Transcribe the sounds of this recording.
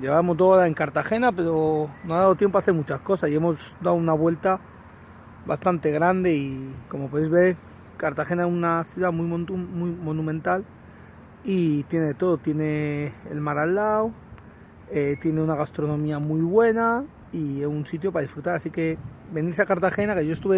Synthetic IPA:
ʎe̞βamo̞zd̪olaeŋkaɾt̪axe̞nape̞ɾo̞noaðaðot̪jempoaθemut͡ʃasko̞sasie̞mo̞zd̪awunaβwe̞lt̪a | βa̰st̪ant̪e̞ɣ̞ɾand̪e̞iko̞mopo̞ðejzβe̞ɾ | kaɾt̪axe̞naesunaθjuðamujmumujmo̞nũmẽnt̪al | it̪je̞neet̪o̞ðo̞t̪je̞ne̞̰ːlmaɾalːaw | et̪je̞ne̞unaɣast̪ɾo̞nõ̞miamujβwe̞na | iesunsit̪̬jo̞paðisfɾut̪aɾasike̞be̞niɾs̬eakaɾt̪axe̞nake̞ʝo̞est̪uβe

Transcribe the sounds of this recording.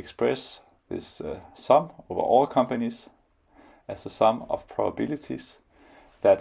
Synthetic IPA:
ekspɹɛs | ðɪsːʌ̃moʊvə̰ʔɔːlˠkʰʌ̃mpəniz | æsəsʌ̃mʌ̰v̥pʰɹ̥ɑbəbɪlɨtʰḭz̥ | ðæt

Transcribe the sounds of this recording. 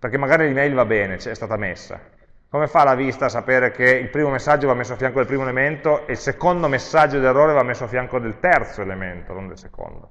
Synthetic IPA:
perk̟emːaɡaːɾilimɛjlvabɛːnet͡ʃɛst̪aːt̪amesːa̰ | komefalavist̪asapeːɾek̟eilpɾiːmomesːad͡ʒːovamːesːoafjaŋkod̪elpɾiːmoelement̪oʔeilsekond̪omesːad͡ʒːod̪erːoːɾevamːesːoafjaŋkod̪elt̪ɛrt̪soelement̪o̰no̰nd̪elseko̰nd̪o̰

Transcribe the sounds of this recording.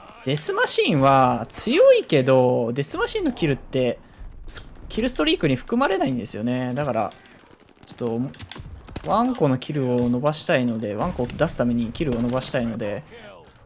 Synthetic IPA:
d̪̥e̞sɨmaɕĩɰ̃βat͡sɨjo̞ike̞d̪o̞d̪e̞sɨmaɕĩnːo̞kʲiɾɯ̟t̪ːe̞ | so̥kʲiɾɯ̟sɨ̥t̪o̞ɾʲiːkɯ̟ɲ̟iɸɯ̟̥kɯ̟maɾe̞naĩnd̪e̞sɨjo̞ne̞d̪akaɾa̰ | t͡ɕo̥t̪ːo̞m | βãŋko̞no̞kʲʰiɾɯ̟o̞no̞baɕi̥t̪aino̞d̪e̞βãŋko̞ːd̪asɨ̥t̪ame̞ɲ̟ikʲiɾɯ̟o̞no̞baɕi̥t̪aino̞d̪e̞

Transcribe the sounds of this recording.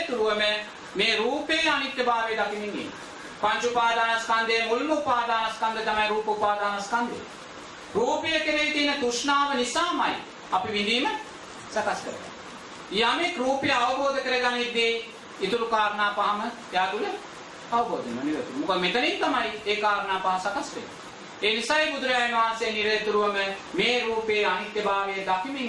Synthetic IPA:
t̪uɾuʋɐme | meːɾuːpeːlɐnit̪ːjɐbaːʋeːd̪ɐkimind̪ḭːn | pɐɲt͡ʃupaːd̪aːnɐskɐnd̪eːmulmɐupaːd̪aːnɐskɐnd̪ɐt̪ɐmajɾuːpɐupaːd̪aːnɐskɐnd̪ʱḛ | ɾuːpijɐkeɾeit̪iːnɐt̪uʃnaːʋɐnisaːmaj̰ | ɐpiʋind̪iːmɐ | sɐkɐskɐɾeɡa̰ | iːanekɾuːpjɐɐʋɐboːd̪ʱɐkəɾɐɡanid̪ːi | it̪ulukaːɾɐnaːpɐɦamə | jaːd̪ulə | ɐʋɐboːd̪ʱimɐniʋet̪umukɐd̪met̪ɐnint̪ɐmaieːkaːɾɐnaːpɐɦasɐkɐsʋḛlu | eːnisajbud̪ɾɐjainuʋaːseːniɾɐjt̪uɾuʋɐməmeːɾuːpeːɐnit̪jɐbaːʋed̪akʰimiŋ

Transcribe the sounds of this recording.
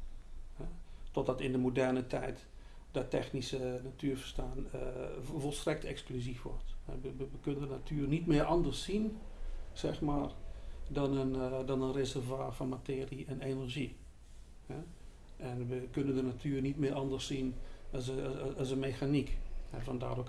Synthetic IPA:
hɛtɔt̚dɔtɪndəmodɛrnətʰɛjt | d̥ɔtɛ̰xnisənatʰyːɹvərstaːnəvɔlˠstrɛk̚tʰɛksklyzifʋɔ̰rthɛ̰ʋəʋəʋəkønəndənatʰyːərnitmɪərɑndərsin | sɛxmaːrdɔnəndɔnənrezərvaːfɔnmatɪːriɛnenəɹʒi | hɛ | ʔɛnʋəkønəndənatʰyːərnitmɪəɾɑndərsin | sənmexanikhɛ̰fɔnda̰ːdo

